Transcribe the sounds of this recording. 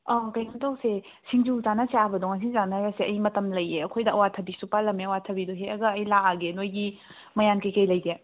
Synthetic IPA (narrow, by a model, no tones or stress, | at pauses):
ɔkɐjɡɐmtʰawse | siŋd͡ʒulzanɐseabɐdɔŋasiŋzanajaseɐjmɐtɐmlɐjeɐkʰojdɐɐwatʰɐbisupalɐmeɐwatʰɐbidoɦeɐɡɐːjlaaɡenojɡi | mɐjankejkɐjlɐjɡe